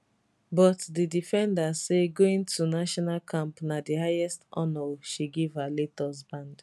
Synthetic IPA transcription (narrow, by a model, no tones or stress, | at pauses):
bɔtdidifɛ̃ndaseɡoĩntunaʃɔnalkʰãmpnadihajɛstɔ̰̃nɔʃiɡivhaletɔs̬bãnd